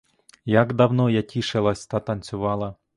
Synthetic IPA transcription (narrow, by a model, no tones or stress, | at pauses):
jaɡd̪ɐwnɔjatʲiʃɪlˠɐsʲt̪ɑt̪ɐnt͡sʲʊʋɑlˠɐ